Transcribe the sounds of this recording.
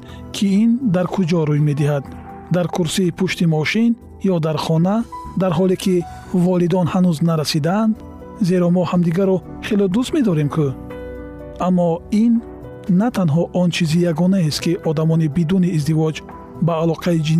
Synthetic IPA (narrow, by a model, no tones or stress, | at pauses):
kʰiind̪aɾkʰud͡ʒɔɾujme̞d̪iɦad̪ː | aɾkʰuɾsiːpʰuʃt̪imɔʃin | jɔd̪aɾχɔnad̪aɾɦɔlekʰi | vɔlid̪ɔnhanuznaɾasid̪aːnd̪ | ze̞ɾɔmɔhamd̪iɡaɾɔ | χelɔd̪ust̪me̞d̪ɔɾe̞mkʰu | amːɔinː | at̪ʰanɦɔʔɔnt͡ʃʰizijaɡɔnaest̪kiʔɔd̪amɔnibid̪uniːzd̪ivɔd͡ʒ | baːlɔqʰaid͡ʒin